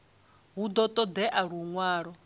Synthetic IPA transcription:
ɦud̪ɔt̪ʼɔd̪ɛʔaɺuŋwaːɺɔ

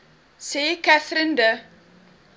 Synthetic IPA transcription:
seːkæθɾəndə

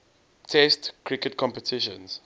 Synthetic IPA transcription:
tʰɛstkʰɹikətkʰɔ̃mpətʰɪʃə̰̃ns

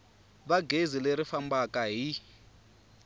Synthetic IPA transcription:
βaɡʱezileɾifambakaɦi

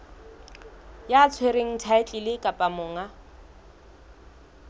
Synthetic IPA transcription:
jaːt͡sʰweɾeŋ̩tʰaɪt͡ɬʼɪlɪkʼapʼamʊːŋa

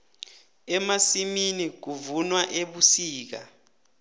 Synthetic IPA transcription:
ɛmasiminik̬uvunwaʔeɓusiːk̬a̰

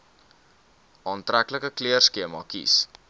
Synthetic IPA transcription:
ʔɑːntrækləkəkliərskiəmɑːkḭs

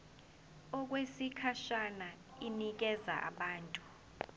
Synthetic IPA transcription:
ɔk̬wesikʰaʃana | inik̬ɛza̰ʔa̰ɓaːntʼu

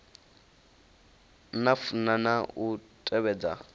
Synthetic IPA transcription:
nafunanautʼɛβɛːd͡za

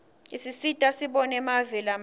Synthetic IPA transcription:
isisitʼasiɓɔnɛmavɛlam

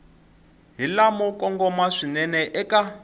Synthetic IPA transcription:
ɦilamɔkʼɔŋɡɔmaʂinɛnɛʔɛkʼa

